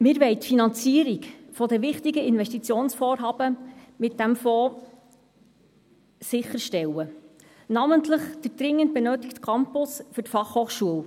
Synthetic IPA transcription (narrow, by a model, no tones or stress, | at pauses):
mɪːɾʋɛɪt̪finɑnt͡siːəɾikfɔdɛʋɪχt̪iɡəɪnʋɛʃtit͡sjoːnsfoːɾɦɑːbəmɪt̚d̥æmfɔː | sɪχːəɾʃtɛwə | nɑməntləχd̥̪əd̥ɾɪŋːənt̚bɛnøːt̪ikt̪kʰɑmpʊsfɵrtfɑχhoːχʃuəw